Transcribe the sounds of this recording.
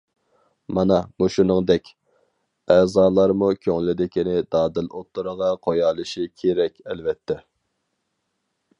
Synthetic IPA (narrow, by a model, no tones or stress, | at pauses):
mɑnɑmuʃunɨŋd̪ɛkʲ | ɛːzɑːlˠɑɾmukʲʰøŋlɪd̪ɪkʲinɪd̪ɑːd̪ɪlot̪ːuɾəʁɑqʰojɑːlˠɨʃikʲʰeɾɛkʲɛlvɛt̪ʰːɛ